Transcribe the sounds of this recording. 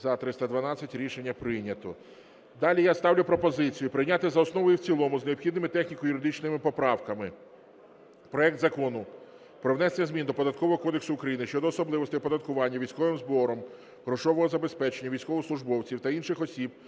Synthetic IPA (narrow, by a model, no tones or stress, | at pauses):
zɐt̪ɾɪst̪ɐd̪ʋɐnɑt͡sʲːɐtʲɾʲiʃenʲːɐpɾɪjnʲɐt̪ɔ | d̪ɑlʲijast̪ɑwlʲʊpɾɔpɔzɪt͡sʲijʊpɾɪjnʲat̪ɪzɐɔsnɔʋɔjʊwt͡sʲilˠɔmʊzneɔpxʲid̪nɪmɪt̪ɛxnʲikɔjʊɾɪd̪ɪt͡ʃnɪmɪpɔpɾɑwkɐmɪ | pɾɔɛk̚t̪zɐkɔnʊ | pɾɔwnɛsenʲɐzʲmʲind̪ɔpɔd̪ɐt̪kɔʋɔɦɔkɔd̪eksʊʊkɾɐjinɪʃt͡ʃɔd̪ɔːsɔblˠɪʋɔsʲt̪ɪpɔd̪ɐt̪̚kʊʋɑnʲːɐʋʲijsʲkɔʋɪmzbɔɾɔm | ɦɾɔʃɔʋɔɦɔzɐbe̞spɛt͡ʃenʲːɐʋʲijsʲkɔʋɔsˠʊʒbɔwt͡sʲiwt̪ɐinʃɪxɔsʲib̚